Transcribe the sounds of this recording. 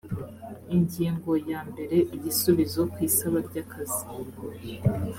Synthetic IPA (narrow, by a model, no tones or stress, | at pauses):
iɲɟiːŋɡo̞jaːmbe̞ɾe̞ʔiɟisuβizo̞kwiːsaβabɟaːkʰazi